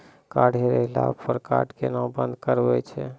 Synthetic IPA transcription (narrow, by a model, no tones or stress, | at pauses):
kaɖɦeɾɛɦila̰ppəɾka̰ʈkenawbənd̪kəɾbɛt͡ʃʰɛ